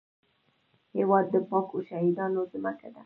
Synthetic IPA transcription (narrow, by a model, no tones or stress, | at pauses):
hewɑd̪ːəpɑkoʃaɦid̪ɑnozɪmakad̪a